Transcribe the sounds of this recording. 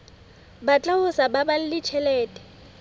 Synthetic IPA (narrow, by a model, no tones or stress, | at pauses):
bat͡ɬʼaʊsababal̩lɪt͡ʃʰɛlɛːtʼɛ̥